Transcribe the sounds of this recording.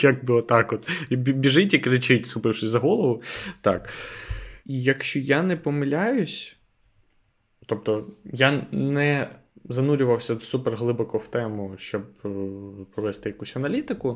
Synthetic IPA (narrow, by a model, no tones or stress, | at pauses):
jɐk̚buɔt̪ɑkɔt̪ʲbʲiʒɪtʲikɾɪt͡ʃɪtʲsʊpɪwʂɪsʲzɐɦɔlˠɔʋʊt̪ɑk | ijɐkʃt͡ʃɔjanɛpɔmɪlʲajʊsʲ | t̪ɔp̚t̪ɔjanɛzɐnuɾʲʊʋɐwsʲɐsupɛrɦlˠɪbɔkɔwt̪ɛmʊʃt͡ʃɔb̚ | pɔʋɛst̪ɪjɐkusʲɐnɐlʲit̪ɪkʊ